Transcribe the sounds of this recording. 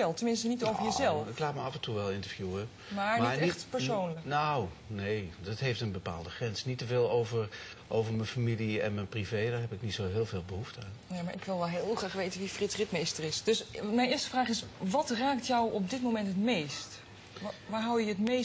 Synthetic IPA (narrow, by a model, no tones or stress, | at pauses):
ɛlˠtəmɪnstənitowvəɹjəzɛlˠɪklaːtməɑfɛntuʋɛlˠɪntəɹvjuə | maɹmninɛχtpəɹsownləknow | nejdɑtɦejftənbəpa̰ːlˠdəχrɛnsnitəvɪːlˠowvəɹ | ʔowvəɹmənfamiliɛ̰nmɛnprivejdaːɹɦɛpɪknitsoɦɪːlˠveːlˠbəɦuftəaːnnemaːɹʔɪkʋɪlˠʋɛlˠɦɪːlˠχraːχʋejtənʋifrɪtrɪtmejstərɪsd̥ɵsmɛjnɪːɹstəvraːχɪsʋɑtraːktjɔwɔp̚dɪtmowmɛntɦətmejst | ʋaːɹɦawjəətmej